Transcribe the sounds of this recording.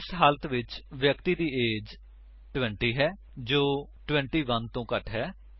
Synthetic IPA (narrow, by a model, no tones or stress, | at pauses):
sɦaːlət̪ʋɪt͡ʃʋjəkt̪iːd̪iːeːd͡ʒ | ʈwɛ̃ːɳʈiːɦɛː | d͡ʒoːʈwɛ̃ɳʈiːʋənt̪õːkəʈʰɦɛː